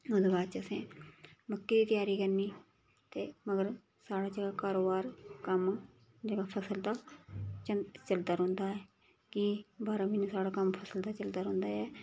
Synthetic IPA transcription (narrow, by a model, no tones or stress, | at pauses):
od̪ebaːt͡ʃəsẽːməkːeːd̪iːt̪ɪjaːɾiːkəɾniː | t̪eːməɡəɾ | saːɽaːd͡ʒəɡaːkaːɾoːbaːɾkəm | d͡ʒəɡaːpʰəsəld̪aːt͡ʃət͡ʃəld̪aːɾɦõːnd̪aːɛː | kɪbaːɾaːmɪnusaːɽaːkəmpʰəsəld̪aːt͡ʃəld̪aːɾɦʊ̃ːnd̪aːɛː